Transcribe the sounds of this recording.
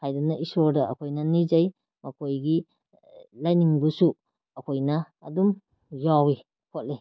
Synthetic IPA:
hajdɐnɐʔisoɾdɐɐ̰kʰojnɐnizaj | mɐkʰojɡi | lajniŋbusu | ɐkʰojnɐː | dum | jawi | kʰot̚li

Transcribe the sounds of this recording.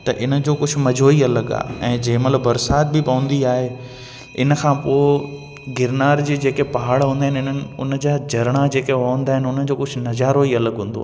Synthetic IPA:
t̪ɐʔɪnə̆d͡ʑoːkʊd͡ʑʱʊ̆mɐd͡ʑʱoːiɐləɡa̰ːɛ̃ːd͡ʑɐ̃ːmɐt̪ləbbɐɾsaːt̪̚bɪpɐʋə̃nd̪iaːɦe | ɪnə̆kʰãːpoːɪ | ɡɪɾnaːɾd͡ʑiːd͡ʑeːkepɐɦaːɽɦũːnd̪aːɦɪnɪɪn̤ənɪ̆ʊnd͡ʑaːd͡ʑɐɾɽ̃ad͡ʑeːkeaə̃nd̪aːɦɪnʊnəd͡ʑoːkʊd͡ʑʱʊ̆nɐd͡ʑaːɾoiɐləɡɦũːn̆d̪o̰a̰ː

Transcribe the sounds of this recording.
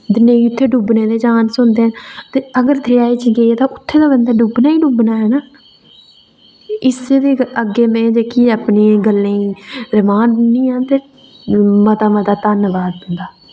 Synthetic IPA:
d̪ɪneiːʊt̪ʰːeːɖubneːd̪eːd͡ʒaːnsʊnd̪ẽːt̪eːəɡəɾt̪ʰeːaːiːt͡ʃɡeːeːt̪ãːʔʊt̪ʰːeːd̪aːbənd̪aːɖubnaːiːɖubnaːɦɛːnaː | ɪseːd̪eːəɡːeːmɛ̃ːd͡ʒeːkiːaːpneːɡəlːẽːiːɾɪmãːnĩːãːt̪eː | mət̪aːmət̪aːt̪ənʋaːd̪bənd̪aː

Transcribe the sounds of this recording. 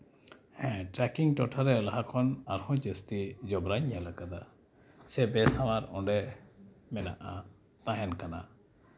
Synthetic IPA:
hɛ̃ʈɾɛkiŋʈɔʈʰaɾɛlaɦakʰɔnaɾhɔ̃d͡ʒəst̪id͡ʒɔbɾaɲjalakad̪a | sɛbɛsawaɾɔ̰̃ɖɛ | mɛna̰ʔa | t̪ãɦɛnkana̰

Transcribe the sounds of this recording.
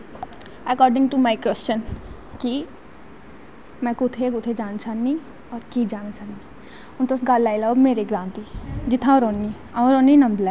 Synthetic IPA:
əkɔːɾɖɪ̃ŋʈumaɪkwɛst͡ʃən | ki | mɛ̃kʊt̪ʰekʊt̪ʰed͡ʒaːnt͡ʃʰanːi | ɔːɾkid͡ʒaːnat͡ʃʰani | ʊ̃nt̪osɡalːaːɪlabmeːɾeɡɾãːnt̪id͡ʒɪt̪ʰːãɾoːnːi | ãũɾoːnːinɐ̃md̪lɛ

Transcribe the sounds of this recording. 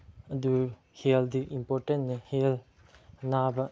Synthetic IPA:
ɐd̪u | held̪iʔimpoɾʈẽnnehel | nabɐ

